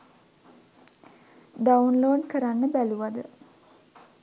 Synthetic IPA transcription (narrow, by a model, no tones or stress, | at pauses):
ɖawunloːɖkəɾanːəbæluʋad̪ə